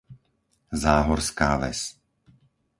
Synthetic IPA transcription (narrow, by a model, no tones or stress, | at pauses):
zaːɦɔɾskaːʋɛ̰s